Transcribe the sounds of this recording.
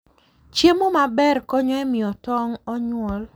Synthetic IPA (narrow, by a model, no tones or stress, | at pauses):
t͡ʃemomabɛrkɔɲɔɛmɪɔtɔŋɔɲwɔl